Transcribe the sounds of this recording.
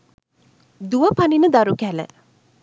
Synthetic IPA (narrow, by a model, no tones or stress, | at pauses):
d̪uʋəpaninəd̪aɾukælə̰